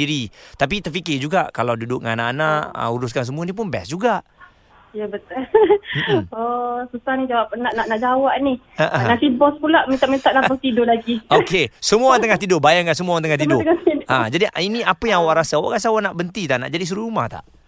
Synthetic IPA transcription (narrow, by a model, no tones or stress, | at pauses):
iɾit̪ap̬it̪ərfikɪd͡ʒuɡaʔkalawdudʊk̚ŋa̰anaʔanaʔə̰uɾʊskans̬əmuanip̬ʊnbɛ̰sd͡ʒuɡaʔ | ijabət̪ʊlm̩ɔsusahnid͡ʒawapənaʔnaʔnaʔd͡ʒawaʔnih | aʔanaʔsibɔspulaʔmint̪aʔmĩnt̪aʔlapaŋt̪idʊlaɡiokesəmuant̪əŋaht̪idʊbajaŋkans̬əmuaŋt̪əŋaht̪idʊəŋat̪idad͡ʒadiiniapəjaŋawaʔɾasaawa̰ʔkas̬awaʔnaʔbənt̪it̪aʔna̰ʔd͡ʒadis̬uɾuɾuma̰ht̪a̰ʔ